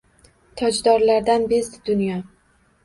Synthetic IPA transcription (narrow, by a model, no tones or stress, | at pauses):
t̪ʰɒd͡ʒd̪ɒɾlaɾd̪anbezɪd̪ʊnjɒ